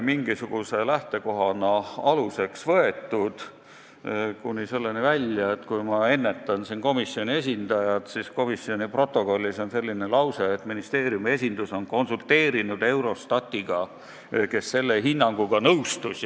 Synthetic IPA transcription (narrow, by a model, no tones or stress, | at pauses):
miŋɡ̥isuɡ̥use̞læht̪e̞ko̞ɦɑnɑɑluse̞ksvɤe̞t̪ːˑud̪̥ | kunʲːise̞lːenivælʲjɑet̪kujmɑe̞nːe̞t̪ːˑɑnsinko̞misːio̞nʲie̞s̬ʲind̪ɑjɑt̪sisko̞misːio̞nʲipro̞t̪ːˑo̞ko̞lʲːiso̞nse̞lːinelɑwseːt̪ːminist̪e̞ːɾijumie̞sʲind̪̥uso̞nko̞nsult̪e̞ːɾinud̪e̞wɾo̞st̪ɑt̪ʲːiɡ̥ɑ | ke̞sːe̞lːe̞ɦinːɑŋɡ̥uɡ̥ɑnɤwst̪us